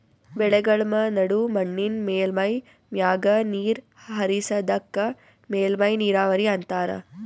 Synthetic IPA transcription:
bɛɭɛɡɐɭmɐnɐɽumɐɳːinmeːlmɐj | mjaːɡɐniːɾ | ɦɐɾisɐd̪ɐkːɐ | meːlmɐjniːɾaːʋɐɾiɐnt̪aːɾɐ̰

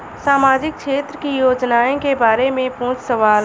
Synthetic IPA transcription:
saːmaːd͡ʒɪk̚kʃeːt̪ɾəkijoːd͡ʒnaːẽkebaːɾemẽpũːt͡ʃsəʋaːl

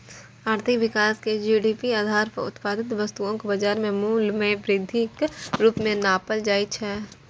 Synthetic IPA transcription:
aːɾt̪ʰɪkʋɪkaːsked͡ʒiːɖiːpiaːd̪ʱaːɾpə̰ɾʊ̰t̪paːd̪ɪt̪̬ʋɐst̪uõkobɐd͡ʒaːɾmẽmuːlmẽʋɾɪd̪ʱːikɾuːpmẽnaːpəld͡ʒaːit͡ʃʰɛː

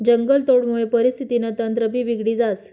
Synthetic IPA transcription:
d͡ʑəŋɡəlt̪oɽmuɭepəɾist̪ʰit̪inat̪ənt̪ɾəbʱiːʋiɡɽiːd͡zat͡s

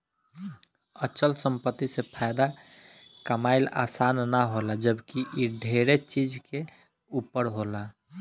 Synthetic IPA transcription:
ət͡ʃəlsəmpət̪ːisepʰajd̪a | kəmaɪla̰sanːaɦolad͡ʒəbkiʔiɖʱeɾet͡ʃid͡ʒke | upːəɾɦola

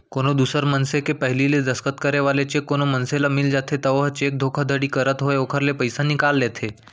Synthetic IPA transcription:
koɽ̃od̪usəɾmənsekepəɦliled̪əskət̪kəɾeʋalet͡ɕekːoɽ̃omənselamild͡ʑat̪ʰet̪əʋɦt͡ɕek̚d̪ʱokʰəd̪ʱəɽiːkəɾət̪ɦoeokʰəɾlepəjsanikalːet̪ʰe

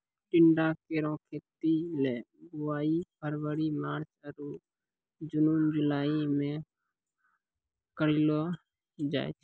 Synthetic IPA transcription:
ʈɪɳɖaːkeːɾõːkʰeːt̪iːlɛː | ɡʊʋaːiːpʰəɾʋəɽiːmaːɾt͡ʃəɾuː | d͡ʒʊnumd͡ʒʊlaːiːmẽː | kəɾiloː | d͡ʒa̰ːet͡ʃʰ

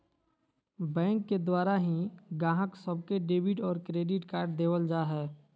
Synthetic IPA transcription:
bɛ̃ːŋkːed̪waːɾaɦĩɡãːɦəksəbkeɖeːbɪʈɔːɾkɾeːɖɪʈkaːɾɖ̚d̪eːwəld͡ʒaːɦɛː

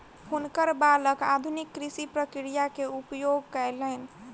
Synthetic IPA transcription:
hunkəɾbaləka̰d̪ʱunikːɾisipɾəkɾijakeupjoɡ̚kɛɪlɛn

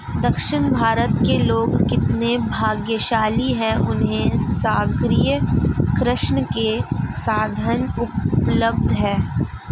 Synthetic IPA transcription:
d̪ɐkʃɪnbʱaːɾət̪keloːɡkɪt̪nebʱaːɡjəʃaːliɦɛ̃ʔʊnɦẽsaːɡɾijəkɾɪʃɳəkesaːd̪ʱənʊpləbd̪ʱɦɛ̃ː

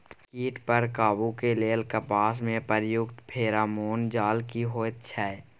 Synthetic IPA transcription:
kiːʈpəɾkaːbukeleːlkəpaːsmẽpəɾjʊɡt̪pʰeːɾaːmoːnd͡ʒaːlkiɦoːt̪t͡ʃʰɛɛ

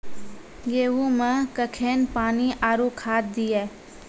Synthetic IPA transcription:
ɡeːʋumẽkəkʰeːnpaːniʔaːɾukʰaːt̪̚d̪ijeː

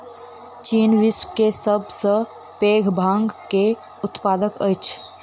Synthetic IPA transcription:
t͡ʃiːnʋɪspkesəbsə̃ | peːɡʱbʱãːŋɡke | ʊt̪paːd̪əkət͡ʃʰ

